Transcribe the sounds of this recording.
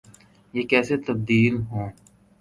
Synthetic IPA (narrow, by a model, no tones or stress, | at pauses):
jeːkɛːset̪ɐb̚d̪iːlɦõː